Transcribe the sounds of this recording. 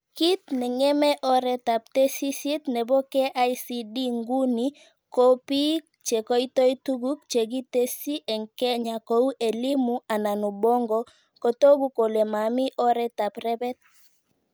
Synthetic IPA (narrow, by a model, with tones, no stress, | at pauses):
ki˦t̪nɛ˨ŋɛ˦mɛ˦ʔɔ˦ɾɛ˦ta˨p̚te˦si˦si˦t̪nɛ˨bɔ˦ke˦ʔa˦isi˦di˦ŋɡu˦ni˦ | ko˦pi˦ | t͡ʃe˨ko˦i˦to˦i˦tu˦ɡu˦k̚t͡ʃe˨ɡi˦te˦si˦ʔɛ˨ŋkɛ˦ɲa˨ko˨˦u˦ʔe˨li˦mu˦a˨na˨nu˨bɔ˦ŋɡɔ˨˦ | ko˨to˦ɡu˦ko˨le˨ma˨mi˦ʔɔ˦ɾɛ˦ta˨pɾɛ˦bɛ˦t̪̚